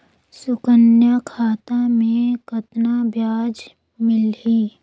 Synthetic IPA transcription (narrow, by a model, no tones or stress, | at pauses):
sʊkənjakʰaːt̪amẽkət̪nabjaːd͡ʒ | mɪlɦiː